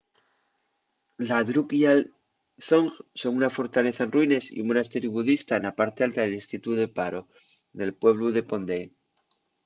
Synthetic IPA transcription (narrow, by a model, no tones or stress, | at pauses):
laðɾukjal | θoŋxso̞ŋunafo̞ɾt̪ale̞θaenrwine̞sḭumonast̪eɾjuβuðist̪aenapaɾt̪ealt̪aðelinst̪it̪uðe̞paɾo̞ | ne̞lpwe̞β̞luðe̞po̞nd̪e